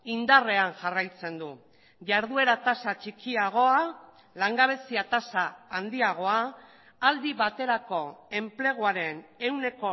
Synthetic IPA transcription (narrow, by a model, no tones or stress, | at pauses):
ind̪are̞anʝarajt͡se̞nd̪u | ʝaɾð̞ue̞ɾat̪asat͡ʃikiaɣ̞o̞a | laŋɡaβ̞e̞siat̪asaːnd̪iaɣ̞o̞a | ald̪iβat̪e̞ɾako̞e̞mple̞ɣ̞oaɾe̞ne̞wne̞ko̞